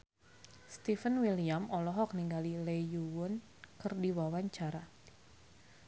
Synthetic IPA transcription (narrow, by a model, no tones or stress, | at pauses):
st̪ifənwiliamɔlɔɦɔk̚niŋɡalilejuwʊn | kɨrdiwawaɲt͡ʃaɾa